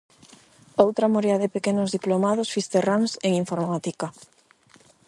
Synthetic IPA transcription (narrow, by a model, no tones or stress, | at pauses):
owt̪ɾamoɾjaðepekenʊzðiplomaðʊsfist̪eraŋseŋiɱfoɾmat̪ika